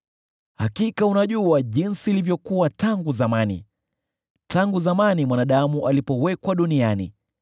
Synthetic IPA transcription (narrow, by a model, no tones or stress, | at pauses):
hakikaunaʄuaʄinsiːlivjɔkuwataŋɡuzamanḭ | taŋɡuzamanimwanaɗamuʔalipɔwɛkwaɗunianḭ